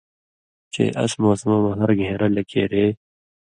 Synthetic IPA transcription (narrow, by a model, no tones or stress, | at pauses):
t͡ɕḛːʔɐ̰smoːsmɐmɐɦɐɾɡʱeːɾɐlɐkʰḛːɾeː